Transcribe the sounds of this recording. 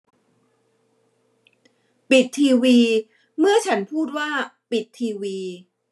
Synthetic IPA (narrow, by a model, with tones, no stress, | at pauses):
pi˨˩t̪ʰːiː˧wiː˧ | mɯ˥˩ɐt͡ɕʰa˦˥npʰuː˥˩t̪̚waː˥˩pi˨˩t̪ʰːiː˧wiː˧